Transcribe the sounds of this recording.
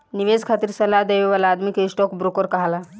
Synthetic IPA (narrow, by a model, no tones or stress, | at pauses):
niʋezkʰat̪iɾsəlad̪eʋeʋalaːd̪mikeisʈɔkbɾukəɾkəɦala